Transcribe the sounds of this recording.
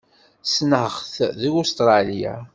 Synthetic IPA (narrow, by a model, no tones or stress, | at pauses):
snəhəχθðiust̪ɾˤɑlija̰